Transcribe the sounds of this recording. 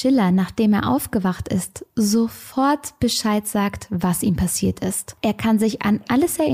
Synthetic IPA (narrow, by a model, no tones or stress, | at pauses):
ʃɪlɐnaːχd̥eːmeːɐʔa̰ʊfɡ̥əvaχtɪ̰stzofɔɐtb̥əʃaɪtz̥aːktvasiːmpʰasiːɐtʰɪstʔeːɐkʰanzɪça̰nʔaləsɛɐʔɪ